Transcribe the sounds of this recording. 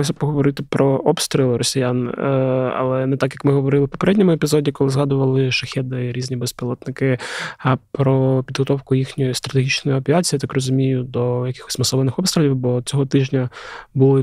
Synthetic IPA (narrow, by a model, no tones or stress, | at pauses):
ɔsʲɐpɔɦɔʋɔɾɪt̪ɪpɾɔʔɔpst̪ɾʲilˠɪɾɔsʲijan | ɐ̰lˠɛnɛt̪ɑkjɐkmɪɦɔʋɔɾɪlˠɪpɔ̥peɾɛdʲnʲɔmʊepʲizɔdʲikɔlˠɪzɦɑd̪ʊʋɐlˠɪʃɐxʲɛd̪ɪɾʲizʲnʲibespʲilˠɔt̪nɪkɪɐpɾɔpʲid̪ɦɔt̪ɔwkʊjixnʲɔjist̪ɾɐt̪eɦʲit͡ʃnɔjʊɐpʲiat͡sʲijːt̪akrɔzʊmʲijʊd̪ɔjɐkɪ̥xɔ̥sʲmɐsɔʋɐnɪxɔpst̪ɾʲɪlʲiwbɔt͡sʲɔɦɔt̪ɪʒnʲɐbulˠɪ